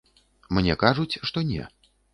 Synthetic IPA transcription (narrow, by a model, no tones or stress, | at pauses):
mnʲɛkaʐut͡sʲʂt̪ɔnʲɛ̰